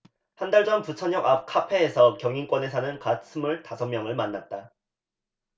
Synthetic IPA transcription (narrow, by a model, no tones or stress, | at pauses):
handaɭd͡ʑʌnput͡ɕʰʌɲʌɡap̚kʰapʰe̞ːsʰʌkjʌŋink͈wʌne̞sʰanɯnkat̚sʰɯmuɭtasʰʌmjʌŋɯɭmanːat̚t͈a